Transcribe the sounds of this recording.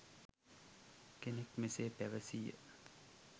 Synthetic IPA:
kenekmeseːpæʋəsijə̰

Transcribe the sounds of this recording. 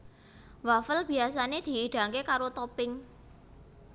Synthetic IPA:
wafəlb̥i̤asaned̪̥i̤ːɖ̥a̤ŋkekaɾot̪opɪŋ

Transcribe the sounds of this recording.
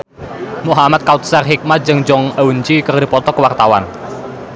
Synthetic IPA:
muɦamat̪̚kaut̪̚sarɦik̚mat̪̚d͡ʒɨŋd͡ʒɔŋəuɲt͡ʃikərdipɔt̪ɔkəwart̪awa̰n

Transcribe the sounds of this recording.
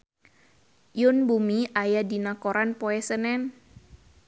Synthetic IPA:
jʊnbumiʔajadinakoɾanpoɛsənɛn

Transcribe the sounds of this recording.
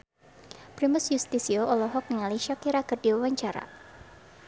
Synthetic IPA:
pɾimʊsjust̪isiɔʔɔlɔɦɔk̚nəŋaliʃɔkiɾakɨrdiwawaɲt͡ʃaɾa̰

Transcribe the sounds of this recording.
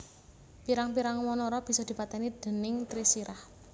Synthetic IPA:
piɾaŋpiɾaŋwɔnɔɾɔb̥i̤sɔd̪̥i̤pat̪ɛnid̪̥ə̤nɪŋt̪ɾisiɾah

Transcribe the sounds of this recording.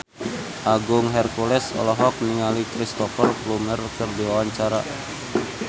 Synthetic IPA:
ʔaɡʊŋɦɛrkulɛsɔ̰lɔɦɔk̚niŋalikɾist̪ɔfərplumərkərdiwawaɲt͡ʃaɾa

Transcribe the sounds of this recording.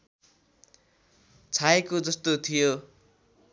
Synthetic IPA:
t͡sʰaekod͡zʌst̪ot̪ʰijo

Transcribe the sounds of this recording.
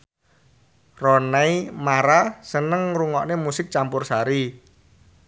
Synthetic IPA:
rɔnaimaɾasənəŋruŋɔʔnemusɪk̚t͡ʃampʊrsaɾi

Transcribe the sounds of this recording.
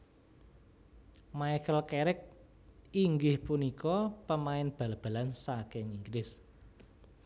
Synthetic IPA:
majkəlkeɾɪk̚ | iŋɡɪhpunikɔpəmaɪnb̥ä̤lab̥ä̤lansakɪŋiŋɡlɪs

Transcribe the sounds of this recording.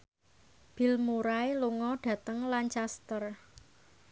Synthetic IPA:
b̥i̤lmuɾaeluŋɔɖ̥ä̤t̪əŋlant͡ʃast̪ər

